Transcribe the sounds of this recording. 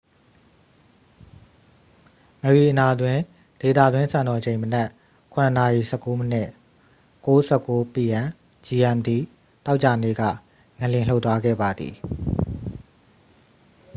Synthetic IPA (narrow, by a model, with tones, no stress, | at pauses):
ŋə˨ɹi˨ʔəna˨d̪wɪ̃˦˨ | d̥e˨t̪a̰˦˨d̪wɪ̃˦nsã˨nɔ˨d͡ʑẽ˨ɪ̃mənɛ˦ʔ | kʰʊ̃˨nə˨na˨i˨sɛ˦˨kːo˦mənɪ̰˦˨ʔ | ko˦sɛ˦˨ko˦pi˦˨jã˨ | d͡ʑi˨ʔɛ̃˨md̪i˨ | t̪a˦ʊʔt͡ɕa˨nḛ˦˨ɡä̰˦˨ | ŋɛ̃˨ljɪ̃˨l̥o˦ʊt̪ːwa˦ɡɛ̰˦˨ba˨d̪ðḭ˨